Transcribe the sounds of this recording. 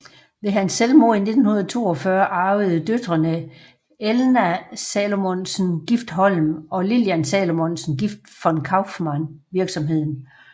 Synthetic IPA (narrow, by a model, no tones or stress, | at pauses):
ʋe̝ɦænsːelmo̝ine̝d̥n̩hunɐð̩ˠt͡sʰo̝̰ːɒ̽fɶɐʔɑ̈ʊð̩ˠd̥ød̥ʁɐnə | elnæsɛlo̝monsn̩ɡ̥ifd̥ɦɒ̽lmɒ̽liljænsɛlo̝monsn̩ɡ̥ifd̥fɒ̽nkʰɑ̈ʊfmɑnʋiɐɡ̥sɒ̽mɦe̝ð̰ˠn̩